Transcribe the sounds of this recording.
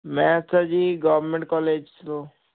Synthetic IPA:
mɛ̃sad͡ʒiɡɔʋɾmẽɳʈ̚kɔːleːd͡ʒsɾo

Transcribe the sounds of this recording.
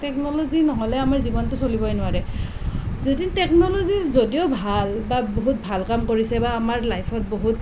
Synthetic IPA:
tɛknɔlozinɔɦɔlɛamaɹzibɔntʊsolibɔjnʊwaɹɛ | zoditɛknɔlɔzizodiobʱalbaboɦut̚bʱalkamkoɹisɛbaːmaɹlajpʰɔt̚boɦut

